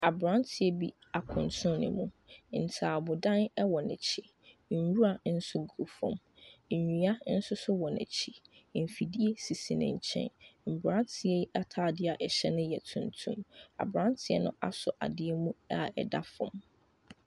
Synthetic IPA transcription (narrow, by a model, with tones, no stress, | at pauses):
a˨bɾã˦ntʰɪ˨ɛ˦bi˦ | a˨kʰʊ̃˨ntʰʊ̃˦nɪ̰̃˨mũ˦˨ | n̩˨tʰaː˨bʊ˨dã˦nɛ˦wɔ˨nɛ̰̃˨t͡ɕʰi˦ | n̩˨wu˦ɾa˨n̩˦sʊ˦ɡu˨fʊ̰̃˨m̩˨ | ɲũ˨˦a˦n̩˦sʊ˦sʊ˦wɔ˨nɛ̰̃˨t͡ɕʰi˨m̩˨fi˨di˦e˦si˨si˨nɪ̰̃˨ɲ̩˨t͡ɕʰɛ̰̃˦nm̩˨bɾã˦n˦tʰɪ˨˦ɛ˦a˦tʰaː˦˨dɪ˦a˨ʔɛ˨ɕɛ˦nʊ̃˦jɛ˨tʰũ˨ntʰṵ̃˦ma̰˨bɾã˦ntʰɪ˦ɛ̰˦nʊ̰̃˦ʔa̰˦sʊ˨ʔa̰˨dɪ˦ɛ˦mũ˦a˦˨ɛ̰˨da˦fʊ̰̃˨m